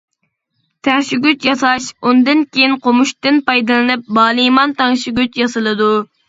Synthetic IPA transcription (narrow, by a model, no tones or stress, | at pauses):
t̪ʰɛŋʃiɡʲyt͡ʃjɑsɑʃund̪ɨnkʲʰejinqʰomuʃt̪ɪnpɑjd̪ɨlˠɨnɨp̚bɑːlˠɨmɑnt̪ɑŋʃiɡʲyt͡ʃjɑsɨlˠɨd̪u